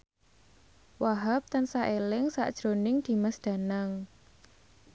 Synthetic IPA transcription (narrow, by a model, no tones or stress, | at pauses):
waɦap̚t̪ansaʔelɪŋsa̰ʔd̥ʒ̥ɾonɪŋd̪̥i̤masd̪̥ä̤naŋ